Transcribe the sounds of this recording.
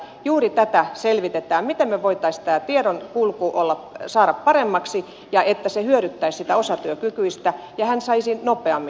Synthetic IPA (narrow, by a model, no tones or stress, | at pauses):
juːrit̪æt̪æselʋit̪et̪æːmmit̪emmeʋoit̪ˑɑist̪æːt̪ieɾonkulkuːʔolːɑpsɑːɾɑppɑremːɑksi | jɑet̪ːæsehyøɾyt̪ːæissit̪æosɑt̪yøkykyist̪æ | jɑhænsɑisinnopˑeɑmːi